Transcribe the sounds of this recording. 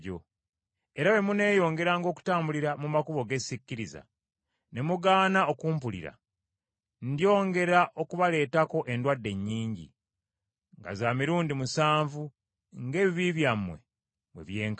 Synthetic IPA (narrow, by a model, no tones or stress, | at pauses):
ɟo̰ | eɾawe̞mune̞ːjo̞ːŋɡe̞ɾaːŋɡo̞ːku̥taːmbuliɾamumakuβo̞ɡe̞sicːiɾiza̰ | ne̞muɡaːnao̞kuːmp̬ulḭɾa̰ | ndjo̞ːŋɡe̞ɾaʔo̞kuβale̞ːtako̞ʔe̞ndwadːe̞ɲːiːɲɟḭ | ŋɡa̰zamiɾuːndimusaːɱvu | ŋɡe̞ːβiβiβjamwe̞̰ | βwe̞̰βje̞ːŋk